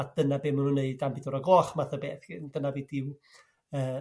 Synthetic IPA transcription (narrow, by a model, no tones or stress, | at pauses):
atd̥ənabeːmənunːeɨdambɪdɔɾaɡɔːχmaθəbeːθɡ̥ɪnd̥ənaviːdɪw | əː